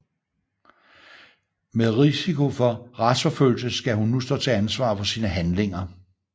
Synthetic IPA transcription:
meðˠʁisikʰo̝fɒ̽ʁɑd̥sfɒ̽føl̰ls̬əsɡ̥æɦunːusd̥ɔ̰̽ːt͡sʰe̝ænsʋɑ̰̈ːfɒ̽siːnəɦænle̝ŋɐ

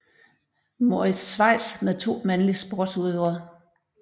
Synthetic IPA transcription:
mo̝ɐisʋɑ̈ɪ̰̥smeðˠt͡sʰo̝̰ːmænlisb̥oɐd̥suðˠøɐ

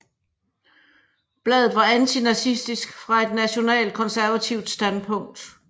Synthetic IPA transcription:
b̥lɛːðˠð̩ˠʋɑ̈ænt͡sʰinæsisd̥isɡ̥fʁɑ̈e̝d̥næɕo̝nɛ̰ːld̥̚kʰɒ̽nsæɐʋæt͡sʰiʊd̥sd̥ænpʰɔ̽ŋ̰d̥

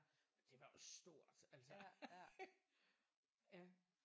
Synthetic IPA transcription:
d̥e̝ʋɑ̈josd̥o̝ɐ̰d̥æl̰sə | jæ

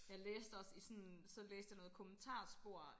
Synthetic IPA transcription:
jɑ̈ɪleːsd̥ɒ̽sisɒ̽nsɒ̽leːsd̥jɑ̈nɔ̽ːð̩ˠkʰomənt͡sʰɑ̰̈ːsb̥o̝ɐ̰

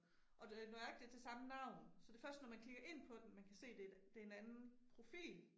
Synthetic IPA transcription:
ʔɒ̽noæeɡ̥̚d̥e̝t͡sʰe̝lsɑ̈mənɑ̈ʊ̰nsɒ̽d̥e̝fɶɐsd̥ənɒmænkʰliɡ̥ɐʔe̝n̰pʰɒ̽d̥em̩mænkʰæse̝̰ːd̥ed̥e̝enænn̩pʰʁo̝fḭːl

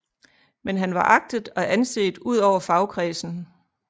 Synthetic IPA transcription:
menɦænʋɑ̈ʔɑ̈ɡ̥̚d̥ðˠɒ̽ʔænse̝̰ːd̥uð̞̰ˠɒʊ̰ɐfɑ̈ʊkʰʁɛːsn̩

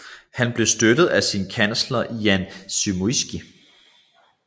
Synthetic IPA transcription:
hænb̥le̝sd̥ød̥ð̞̩ˠæsinkʰæn̰slɐʔiænsymoisɡ̥i

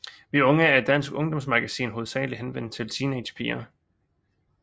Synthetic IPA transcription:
ʋiɔ̽ŋəæɐd̥æn̰sɡ̥ɔ̽ŋd̥ɒ̽msmɑ̈ɡ̥æsḭːnɦo̝ð̩ˠsɛ̰ːliɦenʋen̰̥t͡sʰe̝lt͡sʰiːned̥pʰḭːɐ

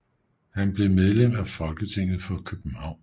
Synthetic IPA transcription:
hænb̥le̝með̞ˠlem̰d̥æfɒ̽lɡ̥ət͡sʰe̝ŋ̰ð̞̩ˠfɒ̽kʰøb̥m̩hɑ̈ʊ̰n

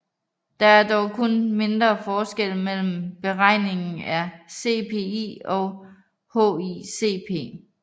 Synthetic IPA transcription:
d̥ɑ̈æɐd̥ɒʊkʰonme̝nd̥ʁɐfɒːsɡ̥el̰mel̰m̩b̥e̝ʁɑ̈ɪ̰ne̝ŋn̩æse̝ːpʰe̝ḭɒ̽ | ho̰ise̝̰pʰe̝̰ː

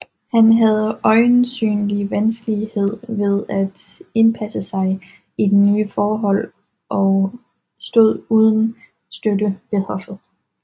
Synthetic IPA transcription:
hænɦæð̞̩ˠɒ̽ɪnsy̰ːnliʋænsɡ̥əlihe̝ð̞̰ˠʋe̝ð̞ˠæd̥e̝npʰæsəsɑ̈ɪ | id̥enyːfɒːɦɒ̽l̰ | ʔɒ̽ | sd̥o̝ð̰ˠuːð̞ˠn̩ | sd̥ødəʋ̥e̝hɒ̽fð̩ˠ

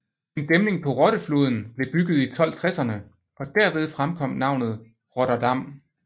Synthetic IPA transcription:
e̝nd̥emne̝ŋpʰɒ̽ʁɒ̽ɾ̥əflo̝̰ːðˠn̩b̥le̝b̥yɡ̥ð̩ˠit͡sʰɒ̽l̰t͡sʰʁɛsɐnə | ɒ̽d̥æɐʋe̝ð̞ˠfʁamkʰɒ̽m̰nɑ̈ʊ̰nð̞̩ˠ | ʁɒɾɐd̥ɑ̈m̰

